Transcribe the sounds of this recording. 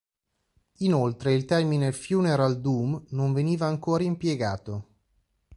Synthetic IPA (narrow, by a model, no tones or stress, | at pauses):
inolt̪ɾeilt̪ɛrminefjuːneɾald̪uːmnoɱveniːvaːŋkoːɾaimpjeɡaːt̪o